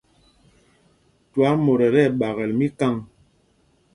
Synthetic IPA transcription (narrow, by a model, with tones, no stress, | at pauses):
twa˨˦mo˨ɾɛ˨ɾɛ˦˨ɓa˨ɣɛ˨lmi˦ka˦˨ŋ